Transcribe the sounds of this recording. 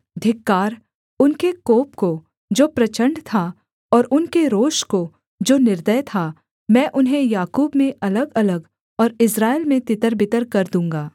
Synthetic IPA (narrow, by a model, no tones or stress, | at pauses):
d̪ʱɪkːaːɾ | ʊnkekoːpko | d͡ʒoːpɾɐt͡ʃə̃ɳɖt̪ʰa | ɔːɾʔʊnkeɾoːʃko | d͡ʒoːnɪɾd̪əjt̪ʰa | mɛ̃ːʔʊnɦẽjaːkuːbmẽʔɐləɡɐləɡ | ɔːɾɪsɾaːɪlmẽt̪ɪt̪əɾbɪt̪əɾkɐɾd̪ũːŋɡaː